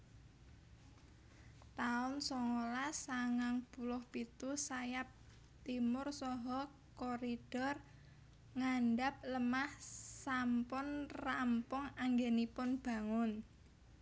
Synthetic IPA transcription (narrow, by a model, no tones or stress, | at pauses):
t̪aʊnsɔŋolasaŋaŋb̥ulʊhpit̪usajap̚ | t̪imʊrsɔɦɔ | koɾid̥ɔr | ŋanɖap̚ləmahsampʊnrampʊŋaŋɡenipʊnb̥a̤ŋʊn